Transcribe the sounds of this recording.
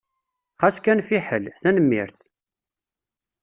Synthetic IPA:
χæskænfiħəlθænəmːḭɾθ

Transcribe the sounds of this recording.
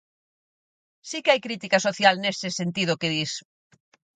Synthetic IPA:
sikeajkɾit̪ikɐsoθjalnest̪ɪsent̪ið̞ʊkɪðis

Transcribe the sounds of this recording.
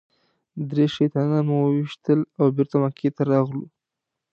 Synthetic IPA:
d̪ɾeʃejt̪ɑnamuwəwiʃt̪əlawbɪɾt̪amakʰet̪aɾɑɣlu

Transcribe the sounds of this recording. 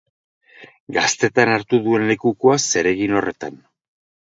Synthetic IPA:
ɡast̪e̞t̪anaɾt̪uðue̞nle̞kuko̞ase̞ɾe̞ɣino̞re̞t̪an

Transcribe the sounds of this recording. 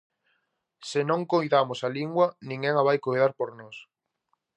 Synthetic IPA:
sɪnõŋkojðamosaliŋɡwɐnĩŋɡɛŋaβajkojðaɾpoɾnɔs

